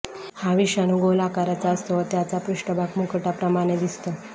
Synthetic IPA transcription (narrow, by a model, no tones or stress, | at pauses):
haʋiɕanũɡolakaɾat͡saəst̪əʋət̪jat͡sapɾuʂʈəbʱaɡmukəʈapɾəmaɽ̃ed̪ist̪ə